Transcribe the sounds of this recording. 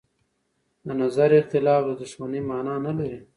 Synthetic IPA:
d̪ənazaɾɪxt̪ɪlɑːfd̪əd̪ʊʂmanimɑːnɑːnalaɾi

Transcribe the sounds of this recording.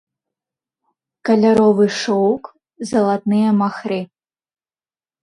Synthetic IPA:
kɐlʲaɾɔvɨʂɔwk | zɐlˠat̪nɨjɛmaxɾɨ

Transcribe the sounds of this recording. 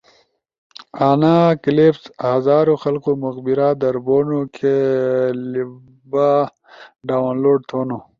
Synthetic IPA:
aːnakilepshazaːɾoxɐlqomuxbiɾaːd̪ɐɾboːnokʰe | li | ba | ɖaːwnloːɖ̚t̪ʰoːno

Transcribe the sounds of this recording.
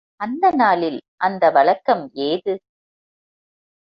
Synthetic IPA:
ɐnd̪ɐnaːlɪlʔɐnd̪ɐʋɐɭɐkːɐmeːðɯ

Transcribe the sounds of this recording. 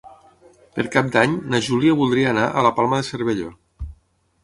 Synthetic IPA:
pəɾkap̚d̪aɲnəʒuliəβulˠd̪ɾiəːnaʔələpalˠməðeseɾβeʎo̰

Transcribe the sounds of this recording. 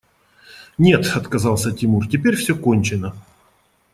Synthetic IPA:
nʲe̞t̪ɐt̪kɐzɑlˠsʲətʲɪmurtʲɪpʲeɾʲfsʲɵkonʲt͡ɕɪnə

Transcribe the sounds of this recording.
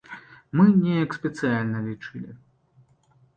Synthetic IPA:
mɨnʲɛjɐksʲpʲɛt̪sɨjalʲnɐlʲit͡ʂɨlʲḭ

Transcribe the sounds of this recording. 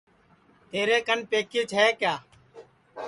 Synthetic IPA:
t̪eːɾeːkənpeːkiːt͡ʃʰeːkjaː

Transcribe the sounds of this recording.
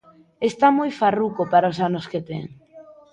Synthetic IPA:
est̪amojfarukopaɾaosanosket̪ḛŋ

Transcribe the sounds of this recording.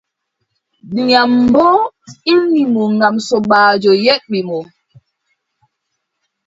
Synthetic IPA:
ɲam̩bɔinimuŋamsɔɓaːd͡ʒojɛʔ̚mimo

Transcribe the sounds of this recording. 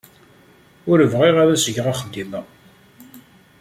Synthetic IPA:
ʊɾəvʁiʁæðæsəʝʁaχəd̪ːimæ

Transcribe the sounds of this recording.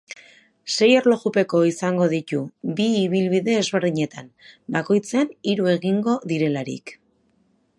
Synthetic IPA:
se̞jo̞ɾlo̞ɣupe̞ko̞isaŋɡo̞ðit̪ubiːβ̞ilβiðe̞ːzβe̞ɾðiɲe̞t̪ambako̞jt͡seniɾue̞ɣiŋɡo̞ðiɾe̞laɾḭk

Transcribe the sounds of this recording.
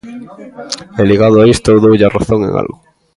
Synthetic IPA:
eliɣað̞oaist̪oðowʎaraθoŋḛ̃ŋa̰lɣʊ

